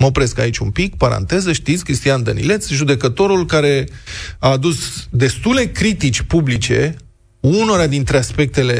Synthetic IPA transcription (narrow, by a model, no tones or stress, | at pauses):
məopɾe̞ska̰it͡ʃʲumpikpaɾa̰nt̪e̞zəʃt̪it̪sʲkɾist̪ijand̪ənḭle̞t̪sʒud̪e̞kət̪o̞ɾulkaɾe̞aːd̪usd̪e̞st̪ule̞kɾit̪it͡ʃʲpublit͡ʃe̞̰ | unoɾad̪int̪ɾeaspe̞k̚t̪e̞le̞